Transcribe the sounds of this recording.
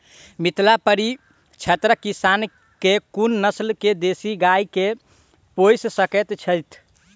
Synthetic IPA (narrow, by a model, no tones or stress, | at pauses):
mit̪lapəɾi | t͡ʃʰət̪ɾəkisan | kekunːəslked̪esiɡajke | pojssəkɛt̪t͡ʃʰəjt̪ʰ